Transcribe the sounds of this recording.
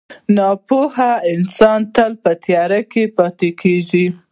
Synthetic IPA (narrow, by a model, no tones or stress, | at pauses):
nɑpohaɪnsɑnt̪əlpət̪jɑɾakepɑt̪ekʰeʒi